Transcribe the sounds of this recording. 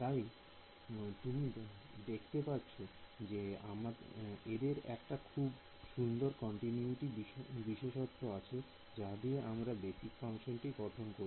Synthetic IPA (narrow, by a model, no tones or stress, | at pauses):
t̪aj | t̪umi | d̪ekʰt̪epatːt͡ɕʰod͡ʑeamaɾed̪eɾɛ̰kʈakʰub | ʃund̪oɾkɔɳʈinjuuʈibibiʃeʃot̪ːɾoat͡ɕʰe | d͡ʑad̪ieʔamɾabesikfaŋʃonʈiɡɔʈʰonkoɾ